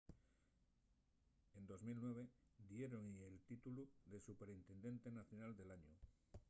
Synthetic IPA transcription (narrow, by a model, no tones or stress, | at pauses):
end̪o̞zmilnwe̞β̞ed̪jeɾoŋielt̪it̪uluðe̞supe̞ɾint̪e̞nd̪e̞nt̪e̞naθjonald̪e̞laɲo